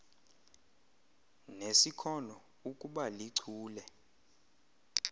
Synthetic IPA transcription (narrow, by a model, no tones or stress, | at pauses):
nesikʰɔnɔ | ukʼuɓaliǀʰuːlɛ